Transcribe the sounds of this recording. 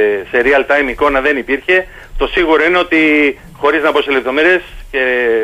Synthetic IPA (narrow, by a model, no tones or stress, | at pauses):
se̞ɾiɐlt̪ɐjmiko̞nɐðe̞nipiɾçe̞ | t̪o̞siɣuɾo̞ine̞o̞t̪i | xo̞ɾiznɐpo̞sele̞p̚t̪o̞meɾie̞sce̞